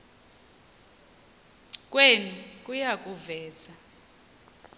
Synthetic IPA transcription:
kʼwenikʼujakʼuvɛːza

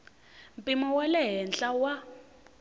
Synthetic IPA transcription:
m̩pʼimɔwalɛɦɛnt͡ɬʼawa

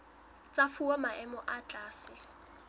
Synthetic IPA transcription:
t͡sʼafuwamaʔɛmɔʔat͡ɬʼaːsɪ

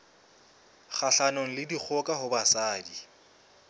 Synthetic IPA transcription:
χʰaɬanɔŋ̩lɪdik͡xʰɔkʼaɦʊbasaːdi

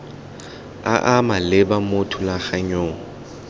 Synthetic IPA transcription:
a̰ʔamalɪbamotʰʊlaχaɲoːŋ̩

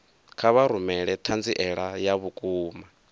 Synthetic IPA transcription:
kʰaβaɾumɛɺɛt̪ʰand͡ziʔɛɺajaβukʼuːma

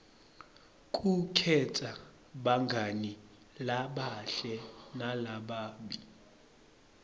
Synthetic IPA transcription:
kʼukʰɛtʰʼa | ɓaŋɡʱani | laɓaɬɛnalaɓaːɓi

